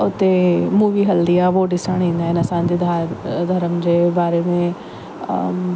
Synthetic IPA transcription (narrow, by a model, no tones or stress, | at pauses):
ʊt̪emuːʋiːɦɐld̪ijaʋoːɖɪsaɳ̃ĩːnd̪aːɪnɐsãːnd̪id̪ʱad̪ʱɐɾəmd͡ʒeːbaːɾemẽ